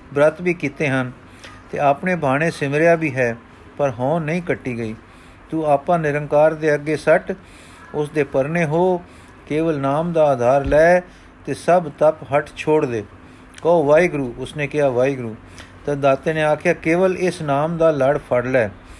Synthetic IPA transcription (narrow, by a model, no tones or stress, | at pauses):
bɾət̪biːkiːt̪eːɦən | t̪ḛːaːpneːbʱaːɽ̃ẽːsɪmɾjaːbʱiːɦɛː | pəɾɦõːnəĩːkəʈːiːɡəiː | t̪uːaːpãːnɪɾəŋkaːɾd̪eːəɡeːsəʈ | ʊsd̪eːpəɾneːɦoː | keːʋəlnaːmd̪aːaːd̪ʱaːɾlɛː | t̪eːsəbt̪əpɦəʈʰt͡ʃʰoːɽd̪eː | kəoːʋaːiːɡɾuːʊsneːkɪɦaːʋaːiːɡɾuː | t̪əd̪aːt̪eːneːaːkʰjaːkeːʋəlɪsnaːmd̪aːləɽpʰəɽlɛː